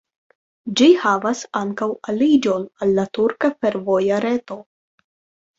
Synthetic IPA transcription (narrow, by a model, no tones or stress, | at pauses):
d͡ʒihavasaŋkawalid͡ʒo̞nalːatuɾkafe̞ɾvojaɾe̞to̞